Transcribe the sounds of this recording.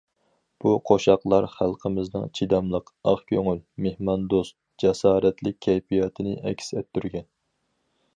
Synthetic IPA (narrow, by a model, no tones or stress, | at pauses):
b̥uqʰoʃɑqlˠɑɾχælˠqʰəmɪznɨ̰ŋt͡ʃʰid̪ɑmlˠəqɑχkʲʰøŋylmehmɑnd̪ost̪̚ | d͡ʒɛsɑːɾɛt̪ʰlɪk̚ʲʰːɛjfijɑt̪ʰɨnɪʔɛ̰kʲsɛt̪ːyɾɡʲɛn